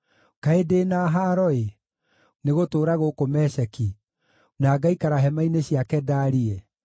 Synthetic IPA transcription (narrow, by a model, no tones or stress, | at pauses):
kaedenaɦaːɾɔe | neɣotoːɾaɣokomɛɕɛki | naːɡaikaɾaɦɛmaineɕiakɛdaːɾiɛ